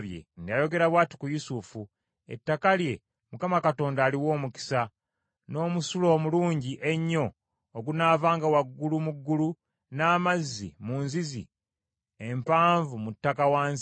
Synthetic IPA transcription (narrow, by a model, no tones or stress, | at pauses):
βjḛndajo̞ɡe̞ɾaβwaːti̥kujusufu | ḛtːakalje̞ | mukamakato̞ːndaːliwo̞ːmuki̥sa | no̞ːmusulo̞ːmuluːɲɟiʔe̞ɲːo̞ː | ɡunaːvaːŋɡawaɡːulumuɡːulu | naːmazːḭmunzizḭ | empaːɱvumutːakawaːns